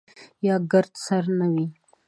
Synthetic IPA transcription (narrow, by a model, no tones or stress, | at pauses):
jɑɡəɾt̪saɾnawi